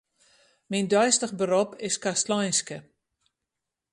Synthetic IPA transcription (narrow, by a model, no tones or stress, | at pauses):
mindœjstəχbəɾɔpʰɪskastlɔjnskə